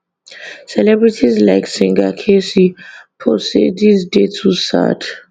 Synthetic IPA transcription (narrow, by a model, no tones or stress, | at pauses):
sɛlɛbɹitʰizlaɪksĩŋɡakʰesipʰosedisdetʰusa̰t